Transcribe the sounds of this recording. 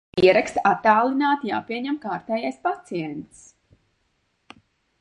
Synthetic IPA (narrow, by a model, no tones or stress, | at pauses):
iɛɾakst̪at̪ːaːlˠinaːt̪ja̰ːpiɛɲɛmkaːɾt̪ɛːjajspat̪siɛnt̪s